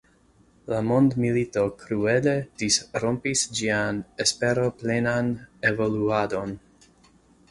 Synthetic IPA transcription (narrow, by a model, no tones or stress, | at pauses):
lamo̞ndmilito̞kɾue̞le̞d̥isɾompisd͡ʒianespe̞ɾo̞plenanevo̞luado̞n